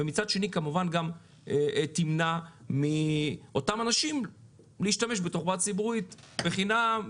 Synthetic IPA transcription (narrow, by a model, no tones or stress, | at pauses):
vemit͡sad̪ʃe̞nikamuvanɡam | timnamiʔo̞tamanaʃim | liːʃtame̞ʃbeto̞χbatt͡sibuʁit̪ | beχinam